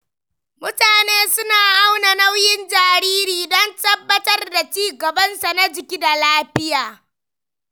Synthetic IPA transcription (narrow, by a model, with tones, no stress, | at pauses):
mʊ˦taː˨neː˦sʊ˦naː˨ʔa˦wna˨na˦wjɪ˦nd͡ʒaː˨ɾiː˦ɾiː˨dɔ˦ntɐ˦bːɐ˦tɐ˦rda˨t͡ʃiː˦ɡɐ˨bɐ˦nsa˨na˦d͡ʒɪ˨kʲiː˦da˨laː˦ɸɪ˦jaː˨